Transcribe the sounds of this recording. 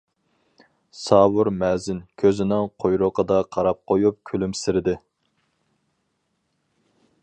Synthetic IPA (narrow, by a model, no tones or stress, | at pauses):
sɑːwʊɾmɛzɪnkʲʰøzɪnɪŋqʰojɾʊqʰəd̪ɑqʰɑɾɑp̚qʰojup̚kʲʰylymsɪɾɪd̪ɪ